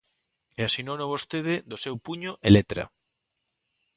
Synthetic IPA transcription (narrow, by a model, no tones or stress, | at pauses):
easinonoβost̪eðed̪osewpuɲoʔelet̪ɾa̰